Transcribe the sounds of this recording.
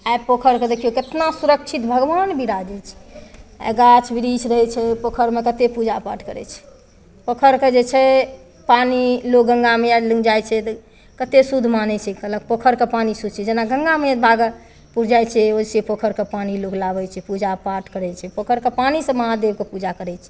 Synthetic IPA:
apokʰəɾked̪ekioket̪nasuɾək̚t͡ʃʰit̪bʱəɡbanbʱiɾad͡ʒɛt͡ʃʰɛ̥̰ | ɡat͡ʃʰbiɾit͡ʃʰɾəɦɛt͡ʃʰɛpokʰəɾmekət̪epud͡ʒapa̰ɾʈʰkəɾɛ̰t͡ʃʰɛ̥ | pəkʰəɾked͡ʒet͡ʃʰɛ | panilok̚ɡəŋɡamealəŋd͡ʒajt͡ʃʰɛt̪ | kət̪esud̪ʱmanɛt͡ʃʰɛkələk̚pəkʰəɾkepanisut͡ʃʰɛd͡ʒenaɡəŋɡamebʱaɡə | puɾd͡ʒajt͡ʃʰɛod͡ʒsepəkʰəɾkepaniloklabɛt͡ʃʰɛpud͡ʒapaɾʈkəɾɛt͡ʃʰɛpəkʰəɾkepanisə̃məɦad̪eb̚kepud͡ʒakəɾɛt͡ʃʰɛ̥

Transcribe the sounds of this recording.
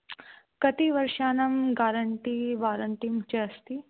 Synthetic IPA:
kɐt̪iʋɐɾʃaːnɐmɡaːɾɐɳʈiʋaːɾɐɳʈimt͡ʃɐɐst̪i

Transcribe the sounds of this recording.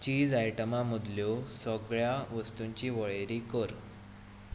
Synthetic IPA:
t͡ɕiːd͡zajʈəmamud̪ljosəɡɭjaʋəst̪uɲt͡ɕiːʋəɭeɾikəɾ

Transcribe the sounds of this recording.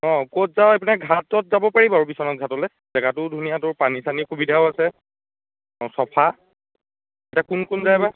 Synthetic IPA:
ɔ̃kotzawapinɛɡʱatɔt̚zabɔpaɹibɔaɹupisɔnɔt̚ɡʱatɔlɛ | zɛɡatʊdʱunijatʊɹpanisanikubidʱaʊasɛ | ɔsɔpʰa | ɛtakunkunzajba

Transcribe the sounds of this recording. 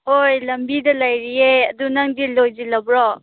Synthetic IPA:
ojlɐmbidɐlajɾieɐdunɐŋdilojzilɐbɾɔ

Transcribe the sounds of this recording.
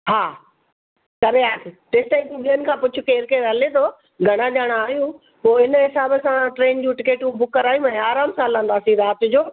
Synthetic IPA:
ɦaː | kɐɾeaːt̪ʰɪʈɪːsʈ̪aikũɓiənɪ̆kʰãːpʊt͡ɕʰʊkeːɾkeɾɐlet̪ʰoː | ɡʱɐɽ̃ad͡ʑaːɽ̃aːɦijũ | poːɪnɦɪsaːbəsãʈɾeːnd͡ʑũːʈɪkeːʈũbʊkːɐɾaːɦijũɛ̃aːɾaːmsaːlãːnd̪aːsĩɾaːt̪ʊ̆d͡ʑoː

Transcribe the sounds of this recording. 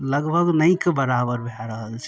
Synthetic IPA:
ləɡbʱəɡnəĩkebəɾabəɾbʱaɾəɦəlt͡ʃʰ

